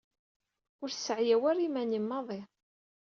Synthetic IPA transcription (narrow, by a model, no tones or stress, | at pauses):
ʊɾsːəʕjæwæɾimænimːɑðˤe